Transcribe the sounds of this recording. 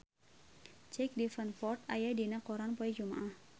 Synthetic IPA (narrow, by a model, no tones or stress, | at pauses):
t͡ʃɛk̚difənfɔrt̪ajadinakɔɾanpɔɛd͡ʒuma̰ʔah